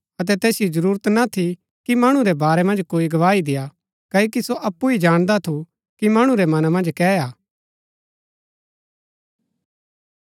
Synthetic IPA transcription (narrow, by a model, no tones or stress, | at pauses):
ɐt̪̬ɛt̪ɛːsijizɐɾuːɾət̪nat̪ʰi | kimɐɽ̃ũɾɛbaːɾɛmɐ̃nd͡ʒkoːiɡɐʋaːid̪ɪja | kɐːoːkisoʔɐpːuid͡ʒaːɽ̃d̪at̪ʰu | kimɐɽ̃ũɾɛmɐnamɐ̃nd͡ʒkɛːaː